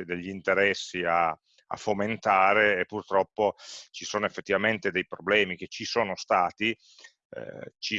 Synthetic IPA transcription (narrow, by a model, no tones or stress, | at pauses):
ed̪eʎːiint̪eɾɛsːia | a̰foment̪aːɾeːpːurt̪ɾɔpːot͡ʃisoːnoefːet̪ːivament̪ed̪ejpɾoblɛːmik̟et͡ʃːisoːnost̪aːt̪ḭ | t͡ʃi